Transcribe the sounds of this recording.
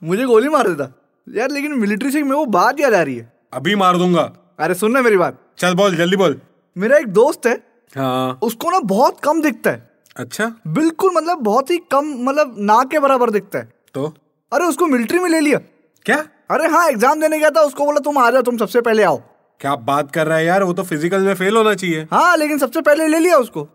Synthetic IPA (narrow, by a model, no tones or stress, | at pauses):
mʊd͡ʒʱeɡoːlimaːɾd̪eːt̪aː | jaːɾleːkɪnmɪlɪʈɾis̬ekmẽʋobaːt̪jad͡ʒaːɾɐḭɦɛ̰ː | ɐbʱimaːɾd̪ũːŋɡaː | ɐɾesʊnːameːɾibaːt̪̚ | t͡ʃɐlboːld͡ʒɐld̪iboːl | meːɾaeːk̚d̪oːst̪ɦɛː | ɦãːʊskonabɔːt̪kɐmd̪ɪk̚ʰt̪aɦɛ̰ | ɐtːʃʰaːbɪlkʊlmɐt̪̬ləbːɔːt̪ɦikɐmːɐt̪ləbnãkebɐɾaːbəɾd̪ɪk̚ʰt̪aɦɛ̰ː | t̪oː | ɐɾeʊskomɪlɪʈɾimẽleːlijaː | kjaː | ɐɾeɦãːekzaːmd̪eːnekeaːt̪̬aʊskoboːlat̪̬ʊmaːd͡ʒat̪ʊms̬ɐbsepɛɦleaːo̰ː | kjaːbaːt̪̚kɐɾːaːɛjaːɾʋot̪ofɪzɪkəlmẽfeːlɦoːnat͡ʃaːɦieːɦãːleːkɪns̬ɐbsepɛɦleleːlijaʊsko